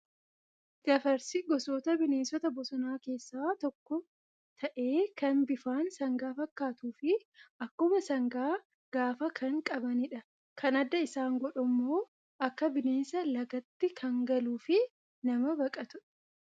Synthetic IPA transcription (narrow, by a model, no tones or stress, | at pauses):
ɡ̥ɐfɐɾsɪɡɔsoːt̪ɐbɪne̞ːnsɔt̪ɐbɔsɔnaːke̞ːsːaːt̪ɔkːɔ | t̪ʰɐʔe̞ːkɐnbɪfaːnsɐŋɡaːfɐkːaːt̪uːfɪʔɐkːʊmɐsɐŋɡaː | ɡ̥aːfɐkʰɐŋkʼɐbɐnɪᶑɐ | kʰɐnɐd̪ːɐɪsaːŋɡɔᶑʊmːoː | ʔɐkːɐbɪne̞ːnsɐlɐɡɐt̪ːɪkʰɐŋɡɐluːfɪ | nɐmɐbɐkʼɐt̪ʊ̥